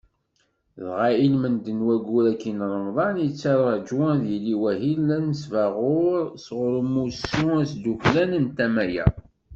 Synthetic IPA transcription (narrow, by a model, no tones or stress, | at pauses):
ðʁailmənd̪ənwæɡuɾækːinɾˤəmðˤɑnjət͡sːɑɾˤɑd͡ʒʊðiliwæɦilːænəsvæʁʊɾsʁʊɾəmːusuæsd̪uçlænənt̪æmæjæ̰